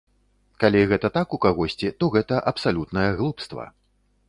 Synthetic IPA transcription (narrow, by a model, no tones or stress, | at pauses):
kalʲiɣɛt̪ɐt̪akukaɣɔsʲt͡sʲit̪ɔɣɛt̪ɐʔɐpsalʲut̪nɐjɐɣlˠupst̪vɐ̰